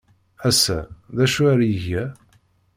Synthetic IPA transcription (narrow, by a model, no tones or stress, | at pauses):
æsːæ̰ðæʃuaɾjəʝæ